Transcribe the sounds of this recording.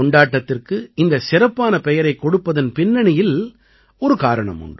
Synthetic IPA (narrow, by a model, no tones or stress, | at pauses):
ɔɳɖaːʈːɐt̪ːɪrkɯɪnd̪ɐsɪɾɐpːaːnɐpɛjɐɾɐɪkːɔɽɯpːɐðɐnpɪnːɐɳɪjɪl | ɔɾɯkaːɾɐɳɐ̰mʊ̰ɳɖ